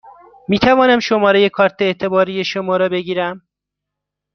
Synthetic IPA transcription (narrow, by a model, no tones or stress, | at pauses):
miːt̪ʰævɒːnæmʃomɒːɾeje̞kʰɒːɾt̪ʰeeːt̪ʰe̞bɒːɾije̞ʃomɒːɾɒːbe̞ɡiːɾæm